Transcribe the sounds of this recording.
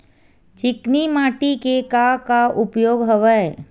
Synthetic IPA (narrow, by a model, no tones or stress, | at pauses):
t͡ʃɪknimaːʈikekakaʔʊpjoːɡɦəʋəe